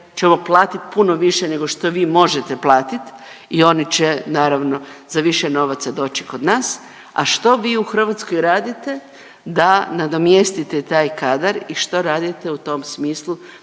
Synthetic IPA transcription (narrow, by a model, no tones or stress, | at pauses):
t͡ʃe̞mo̞plˠaːt̪it̪puno̞ʋiʃene̞ɡo̞ʃt̪o̞ʋiːmo̞ʒet̪eplaːt̪it̪io̞nit͡ɕenaːɾaʋno̞zaʋiʃeno̞ʋat̪sad̪o̞ːt͡ʃi̥ko̞d̪naːs | a̰ʃt̪o̞ʋiːuxr̩ʋat̪sko̞jɾaːd̪it̪e̞ | d̪anad̪o̞mjest̪it̪et̪aːjkaːd̪aɾiʃt̪o̞ɾaːd̪it̪e̞ut̪o̞msmiːslˠu